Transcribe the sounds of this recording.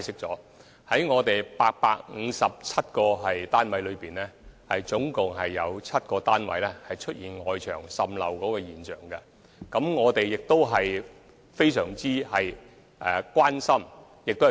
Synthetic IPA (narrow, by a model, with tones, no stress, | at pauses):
a˨jsɪ˥k̚t͡sɔː˨˥ | hɐ˨˥jŋɔː˨˧t̪e˨jpaː˧k̚pa̰ː˧k̚ŋ̩˨˧sɐ˨p̚t͡sʰɐ˥t̚kɔː˧ɦɐ˨jt̪aː˥nwɐ˨˥jlɵ˨˧ɥpiː˨˩nlɛː˥hɐ˨jt͡sʊ˨˥ŋkʊ˨ŋɦɐ˨jːɐ˨˧wt͡sʰɐ˥t̚kɔː˧t̪aː˥nwɐ̰˨˥jlɛ˥hɐ˨jt͡ʃʰɵ˥t̚jiː˨˩nŋɔː˨jt͡ʃʰœː˨˩ŋsɐ˨mlɐ̰˨wkɔː˨˧˥kɔː˧jiː˨˩nt͡ʃœː˨˩ŋkɐ˧ | kɐ˨˥mŋɔː˨˧t̪e˨jɪ˨k̚t̪o˥wɦɐ˨j | fe˥jsœː˨˩ŋt͡siː˥hɐ˨j | ʔɛː˨kwaː˥nsɐ˥m | jɪ˨k̚t̪o˥˨˩